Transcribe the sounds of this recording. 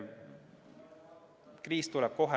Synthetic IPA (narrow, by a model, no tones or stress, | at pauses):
kriːst̪ulɛb̥ko̞ɦɛ